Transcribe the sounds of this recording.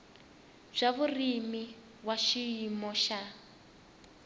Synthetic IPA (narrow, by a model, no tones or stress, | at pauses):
b͡ʐ̥aβurimi | waʃiimɔʃa